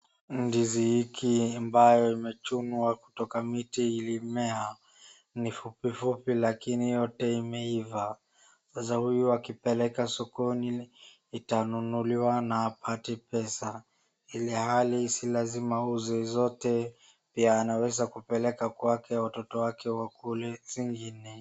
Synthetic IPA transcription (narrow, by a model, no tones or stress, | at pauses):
n̩dizihikiambajɔimɛt͡ʃunuaku̥tɔkamitiilimɛa | nifupifupilakinijɔtɛimɛiva | sasahujuakipɛlɛkasɔkɔniː | tanunuliwanaːpʰatipɛsa | ilihalisilazimauzɛzɔtɛ | piaːnawɛzakupɛlɛkakwakʰɛwatɔtɔwakɛwakulɛziŋɡinɛ